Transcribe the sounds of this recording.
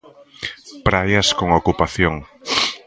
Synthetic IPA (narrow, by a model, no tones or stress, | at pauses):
pɾajaskoŋokupaθjoŋ